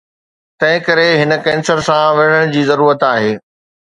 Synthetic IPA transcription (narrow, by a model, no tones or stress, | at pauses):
t̪ɐ̃ɦɪ̃kɐɾeɦɪnəkɛ̃ːnsəɾsãʋeɽ̤əɽ̃d͡ʑiːzɐɾuːɾət̪aːɦeː